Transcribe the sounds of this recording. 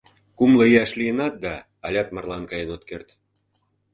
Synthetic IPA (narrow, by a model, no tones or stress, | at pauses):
kumlɤ̆iæʃliənɑt̪̚d̪ɑː | lʲɑt̪mɑrlɑnkɑjenot̪̚kert̪